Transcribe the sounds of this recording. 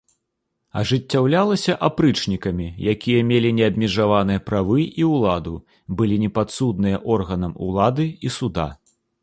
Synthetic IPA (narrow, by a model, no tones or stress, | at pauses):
ɐ̰ʐɨt͡sʲːawlʲalˠɐsʲɐʔapɾɨt͡ʂnʲikɐmʲijakʲijɐmʲelʲinʲɛɐb̚ʲmʲɛʐavanɨjɐpɾavɨiwlˠad̪u | bɨlʲinʲɛpat̪sud̪̚nɨjɐʔɔrɣɐnɐmṵlˠad̪ɨisud̪a̰